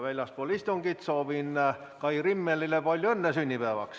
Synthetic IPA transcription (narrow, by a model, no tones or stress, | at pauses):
ʋelʲːɑspuolʲist̪oŋɡ̥it̪soːʋin | kɑiɡrimːelːilepɑlʲjoenːesynʲːipæːʋɑ̰ks